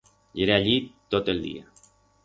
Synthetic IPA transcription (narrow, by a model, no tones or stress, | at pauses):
ʎeɾeaʎit̪ot̪elˠd̪ḭa